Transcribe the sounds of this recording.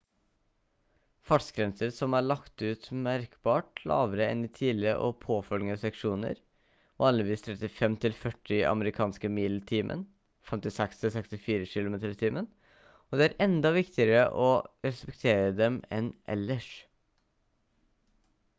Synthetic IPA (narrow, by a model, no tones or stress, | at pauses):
fɑʈsɡɾɛnsəɾsɔmæːɭɑkt̪ʉːt̪mæɾkbɑːʈlɑ̰ːʋəɾəɛ̰nːɪt̪ʰiːləʔɔ̰pʰoːfœlɡəsɛkʂuːnə̰ɾ | ʋɑːnlɪʋiːst̪ʰɾɛt̪ɪfɛmt̪ʰɪlfœʈːɪʔɑ̰məɾɪkʰɑːnskəmiːlt̪ʰiːmʔə̰n | fɛmt̪ɪsɛkst̪ʰɪlsɛkst̪ɪfiːɾəʃɪlʊmeːt̪əɾt̪ʰiːmən | ɔd̪ɛːæɾɛnd̪ɑʋɪkt̪ɪəɾəʔɔɾɛspɛk̚t̪ʰeːɾəd̪ɛmɛ̰nʔɛ̰lːəʂ